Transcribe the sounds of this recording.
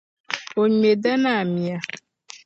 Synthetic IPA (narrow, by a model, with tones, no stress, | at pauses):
wo˨ɲ˦e˨ɖɛ˦nã˦˨mĩ˨a˨